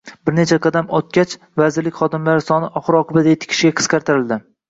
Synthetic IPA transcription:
b̥ɪɾnet͡ʃʰaqʰɑd̪amɒt̪̚kʲat͡ʃ | vazɪɾlɪkʲχɒd̪ɪmlaɾɪsɒnɪʔɒχɨɾɒqɨbad̪ajet̪ʰɪ̥kʲʰɪ̥ʃɪɡʲaqʰɨ̥sqɑɾt̪ɪɾɪld̪ɪ

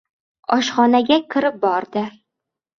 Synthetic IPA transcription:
ɒʃχɒnaɡʲakʲʰɪɾɪp̚bɒɾd̪ɪ

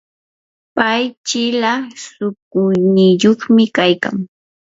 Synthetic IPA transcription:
pajt͡ʃɪlasʊk̚ʊjnɪjoχmɪkajka̰ŋ

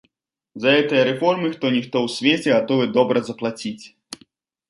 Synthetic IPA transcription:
zɐɣɛt̪ɨjɐɾɛfɔrmɨxt̪ɔnʲixt̪ɔwsʲvʲet͡sʲɛɣat̪ɔvɨd̪ɔbɾʔɐzɐplˠat͡sʲit͡sʲ

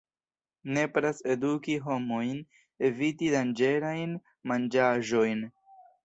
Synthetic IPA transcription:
ne̞pɾase̞dukiɦo̞mo̞jn | e̞vitidand͡ʒe̞ɾajn | mand͡ʒaʒo̞jn

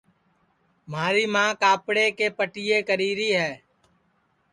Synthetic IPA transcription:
maːɾiːmãːkaːpɽeːkeːpəʈɪːjeːkəɾiːɾiːɦɛː

